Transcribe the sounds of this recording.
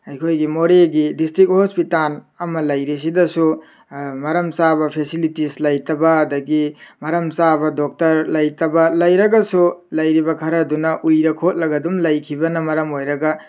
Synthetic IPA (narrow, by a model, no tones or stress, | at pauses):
ɐjkʰojɡimoɾeɡidistɾik̚hospital | ɐmɐlɐjɾis̬idɐsu | mɐɾɐmsabɐpʰesilitislɐjtɐbɐɐdɐɡimɐɾɐmsabɐdok̚tɐɾlɐjtɐbɐlɐjɾɐɡɐsulɐjɾibɐkʰɐɾɐdunɐʔujɾɐkʰot̚lɐɡɐdumlɐjkʰibɐnɐmɐɾɐmojɾɐɡɐ